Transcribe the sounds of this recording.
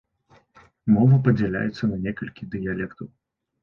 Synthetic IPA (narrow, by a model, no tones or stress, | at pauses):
mɔvɐpɐd͡zʲɛlʲa̰jɛt̪sːɐnɐnʲɛkɐlʲkʲid̪ɨjalʲɛkt̪ɐw